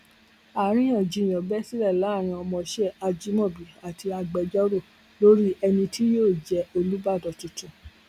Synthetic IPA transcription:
a˨˦ɾ̃ĩ˦j̃ã˨d͡ʒi˨˧˨j̃ɔ̃˨bɛ˦si˦lɛ˦˨la˨˦˨ɾ̃ã˧ɔ˧mɔ̃˧˦ʃɛ˦˨a˧d͡ʒi˦mɔ̃˦˨bi˨a˨tʰi˧a˧ɡ͡bɛ˨d͡ʒɔ˦ɾo˦˨ | lo˦ɾi˦ɛ˧nĩ˧tʰi˦jo˦˨d͡ʒɛ˨˦o˧lu˨˦ba˦˨dɔ˨tũ˨tũ˨

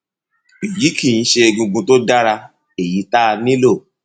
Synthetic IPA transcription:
i˨ji˨˦ki˦˨ĩ˨˧˦ʃe˧e˧ɡũ˧ɡũ˧to˦da˦ɾa˧ | e˨ji˨˦ta˦˧nĩ˦lo˦˨

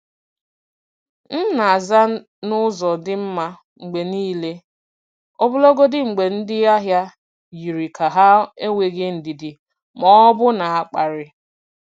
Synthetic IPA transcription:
n̩˦na˨a˨za˦ | nʊ˦zɔ˨dɪ˦m̩˦ma˦ | ŋ͡m̩˨ɡ͡be˨niː˦le˦ | ɔ˦bʊ˦lo˦ɡo˦dɪ˦ŋ͡m̩˨ɡ͡be˨n̩˦dɪ˦a˦ɦja˦ | ji˨ɾi˨kʰa˨ɦa˦e˦ŋʷe˨ɡɪ˦n̩˨dɪ˨dɪ˨ | mɔ˦bʊ˦na˨a˦k͡pa˨ɾɪ˦

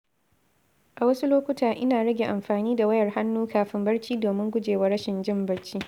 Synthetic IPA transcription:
ʔa˨wɐ˦su˦loː˦kʷʊ˦taː˨ʔɪ˦naː˨ɽɐ˦ɡʲe˨ʔa˨mɸaː˨niː˦da˨wɐ˦jɐ˨rha˦nːuː˦kaː˨ɸɪ˦mbɐ˦ɽt͡ʃiː˦doː˨mɪ˦ŋɡʷʊ˦d͡ʒeː˨wa˦ɽɐ˦ʃɪ˨nd͡ʒɪ˦mbɐ˦ɽt͡ʃiː˦

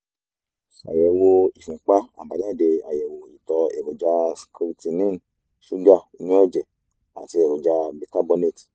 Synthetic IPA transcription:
a̰˨jɛ˨wo˧i˨fĩ˨˦k͡pa˦a̰˨ba˨dã˦˨de˧a̰˨jɛ˨wo˨i˨tɔ˧e˨bo˨d͡ʒa˧ski˧ɾi˧ti˧nĩ˦n˨ | ʃu˦da˦˨i˧nĩ˦ɔ˦˨d͡ʒɛ˨ | a̰˨ti˧e˨bo˨d͡ʒa˧bi˧ta˦bɔ˧ne˦˨ti̥˨

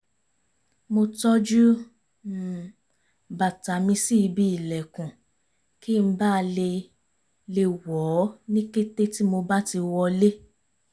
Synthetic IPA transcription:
mo˧tɔ˦d͡ʒu˦˨ | ba˨ta˨˦mĩ˧si˦i˧bi˧˦i˨lɛ˨kũ˨ | ki˦˨m̩˦ba˦˧le˧ | le˧wɔ˨˦nĩ˦ke˦te˦ti˦mo˧ba˦ti˧wɔ˧le˦

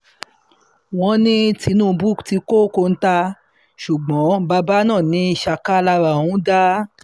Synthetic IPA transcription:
w̃ɔ̃˧nĩ˦ti˧˦nũ˦˨˧bu˦ti˧ko˦ko˧n̩˦ta˧ | ʃu˨ɡ͡bɔ̃˨˦ba˧ba˦nã˦˨nĩ˧˦ʃa˧ka˦la˧ɾa˧˨wũ˦da˦

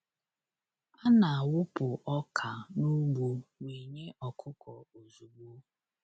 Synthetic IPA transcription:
a˦na˨a˨wʊ˦pʊ˨ʔɔ˦kʰa˨nu˦ɡ͡bu˨we˨ɲe˦ʔɔ˨kʰʊ˦kɔ˨o˨zu˨ɡ͡bu˦

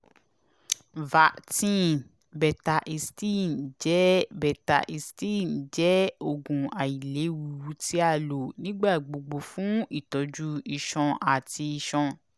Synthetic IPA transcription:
va˨tĩ˦˨n | bɛ˨ta˧ʔi˧sti˦˨nd͡ʒɛ˨˦bɛ˨ta˧˨ʔi˧stĩ˦˨nd͡ʒɛ˨˦o˦˨ɡũ˨a˨i˨le˨˦wu˨wu˧˦ti˦a˦˨lo˨nĩ˦ɡ͡ba˦˨ɡ͡bo˨ɡ͡bo˨fũ˨˦i˦˨tɔ˨˧d͡ʒu˦i˧˨ʃɔ̃˧a˨ti˧i˧ʃɔ̃˧

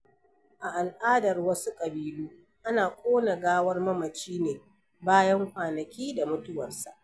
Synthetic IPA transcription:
ʔa˨ʔa˨lʔaː˦dɐ˨rwɐ˦su˦kʼɐ˨biː˦luː˦ | ʔa˦naː˨kʷʼoː˦na˨ɡaː˦wɐ˦rmɐ˦mɐ˨t͡ʃiː˦neː˨ | baː˦jɐ˦ŋkʷaː˨nɐ˨kʲiː˦da˨mʊ˦tʊ˦wɐ˨rsa˨ʔ

